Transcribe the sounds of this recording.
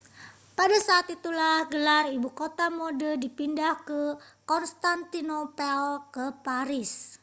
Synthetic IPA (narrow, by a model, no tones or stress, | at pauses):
padasaːt̪it̪ulahɡəlaribukot̪amodədipindahkəkɔnst̪ant̪inopɛlkəpaɾɪs